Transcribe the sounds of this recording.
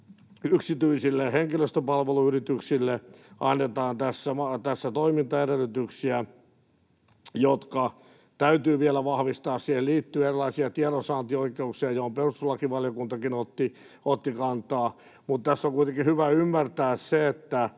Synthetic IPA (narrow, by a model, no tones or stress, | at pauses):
yksit̪yisilːeheŋkiløst̪øpɑlʋeluyrit̪yksilːeʔɑnːet̪ɑːnt̪æsːæmɑt̪æsːæt̪oimint̪ɑerelːyt̪yksiæ | jot̪kɑ | t̪æyt̪yːʋielæʋɑhʋist̪ɑːssiːhelliːt̪ːyːerilɑisiɑt̪iɑɾosɑːnt̪ioikeuksiɑjohomperusulːɑkiʋɑljokunt̪ɑkinot̪ːi | ot̪ːikɑnt̪ɑː | mut̪t̪æsːoŋkuijt̪eŋkihyʋæymːært̪æːsseet̪ːæ